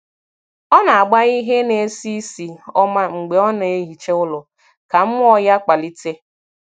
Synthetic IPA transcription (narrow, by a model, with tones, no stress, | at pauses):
ɔ˦na˨a˨ɡ͡ba˦ɣi˦ɦe˦ne˨˦si˦si˨ɔ˦ma˦ŋ͡m̩˨ɡ͡be˨ɔ˦na˨e˦ɦi˨t͡ʃe˦ʊ˦lʊ˨ | ka˨m̩˦mʊ˦ɔ˦ja˦k͡pa˨li˦te˦